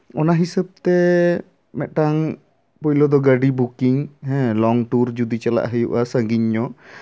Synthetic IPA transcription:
ɔnaɦisəb̚t̪ɛ | mɛʔ̪̚ʈaŋ | pɔjlɔd̪ɔɡəɖibukiŋɦɛ̃lɔŋʈuɾd͡ʒud̪it͡ʃəla̰ʔɦəjṵʔasə̃ŋɡiɲːɔ

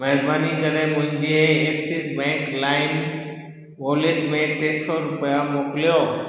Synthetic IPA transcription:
məɦɛɾbaːnikənẽmʊ̃ɦɪ̃ɲd͡ʒeeksisbɛ̃ːŋklaːɪn | boːleʈmẽt̪eːsɔɾʊpəjamoːklijo

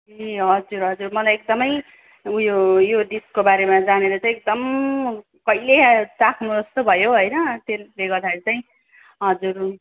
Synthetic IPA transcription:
eɦʌd͡zurɦʌd͡zurmʌlajek̚d̪ʌmʌj | jojoɖiskobaɾemad͡zaneɾʌt͡saj̃ek̚d̪ʌm | kʌilet͡sakʰnuʌst̪obʱʌjoɦʌjnʌt̪eleɡʌrd̪aeɾit͡saĩ | ɦʌd͡zur

